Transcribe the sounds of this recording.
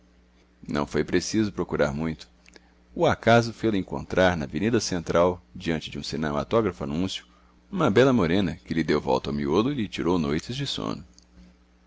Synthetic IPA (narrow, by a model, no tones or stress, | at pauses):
nɐ̰̃w̃fojpɾesizʊpɾokuɾa̰ɾmũj̃t̪ʊ̥ | ʊakazʊfejlʊẽŋkõ̰nt̪ɾʔaɾnɐvenid̪ɐsẽnt̪ɾawd͡ʒiɐ̃nt͡ʃɪd͡ʒɪũsinema̰t̪ɔɡɾɐfʊanũsjʊ̥ | ũmɐbɛlɐmoɾẽnɐkɪlɪd̪ewvɔ̰wt̪ɐawmiolʊɪlɪt͡ʃiɾownojt͡ʃɪzd͡ʒɪsõ̰nʊ